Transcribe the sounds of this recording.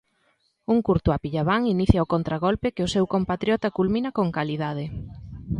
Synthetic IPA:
uŋkuɾt̪ʊapiʎaβaŋiniθjaokont̪ɾaɣolpekeʊsɛwkompat̪ɾjɔt̪akulmĩnɐkoŋkaliðað̞ɪ

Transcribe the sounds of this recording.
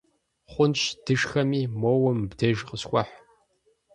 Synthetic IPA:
χʷʊnt͡ʃd̥ɨʂxɐmiːmowɐmbdɐʒqəsxʷʼɐħ

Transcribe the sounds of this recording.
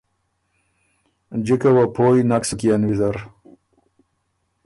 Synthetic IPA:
d͡ʑikawapʰoːjnaksukijanwizaɾ

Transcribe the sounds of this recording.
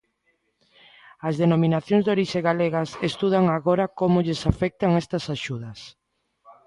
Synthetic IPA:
ɐzðenomĩnaθjoŋzd̪oɾiʃeɣaleɣasest̪uð̞aŋaɣoɾakomʊʎesafɛk̚t̪aŋest̪ɐsaʃuðɐs

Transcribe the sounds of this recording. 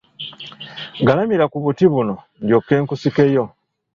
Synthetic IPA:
ɡalamiɾakuβutiβuno̞ | ndjokːe̞ːŋkusike̞jo̞

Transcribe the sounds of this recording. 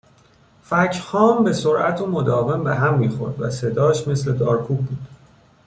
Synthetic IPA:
fæcʰhɒːmbe̞soɾʔæt̪ʰomod̪ɒːve̞mbeɦæmːiːxo̞̰ɾd̪væ̰se̞d̪ɒːʃme̞sle̞d̪ɒːɾkʰuːb̚buːd̪̥

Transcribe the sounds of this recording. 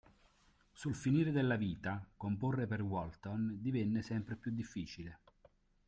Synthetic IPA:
sulfiniːɾed̪elːaviːt̪akomporːeperwɔlt̪ond̪ivɛnːesɛmpɾepjud̪ːifːiːt͡ʃile

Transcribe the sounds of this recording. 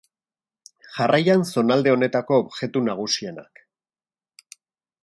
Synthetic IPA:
ʝarajanso̞nald̪e̞o̞ne̞t̪ako̞ːbʝe̞t̪unaɣ̞usie̞na̰k

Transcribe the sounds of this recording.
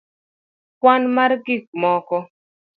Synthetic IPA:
kwanmarɡik̚mɔkɔ

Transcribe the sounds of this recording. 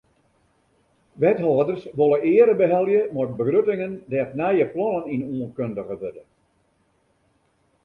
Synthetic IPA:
ʋɛthɔːdərsʋolˠəʔɪːəɾəbəɦɛlˠjəmɔrt̚bəɡrøtɪŋəndɛfnɛjəplɔnəninuənkøndəɣəʋødə

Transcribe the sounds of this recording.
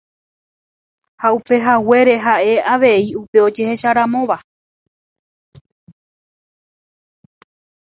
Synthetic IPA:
haupe̞ɦawe̞ɾe̞ɦaʔe̞aʋe̞iupe̞o̞d͡ʒe̞he̞ʃaɾãmõ̞ʋa

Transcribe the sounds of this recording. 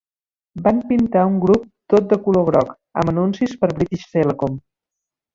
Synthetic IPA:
bampint̪auŋɡɾup̚t̪ot̪̚d̪əkuloɣɾɔk | ə̰mənunsispəɾβɾit̪iʃseləkom

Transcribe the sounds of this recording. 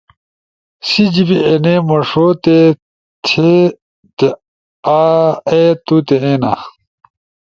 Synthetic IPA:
sid͡ʑibienemɐʂot̪e | t̪ʰe | t̪e | aet̪ut̪eẽna̰

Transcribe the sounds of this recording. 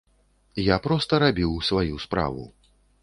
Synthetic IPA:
japɾɔst̪ɐɾabʲiwsvajuspɾa̰vṵ

